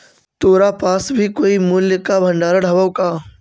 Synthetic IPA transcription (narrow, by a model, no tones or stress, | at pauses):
t̪oːɾapaːsbʱikoːimʊljəkabʱɐ̃ɳɖaːɾaɖʱɐbəwkaː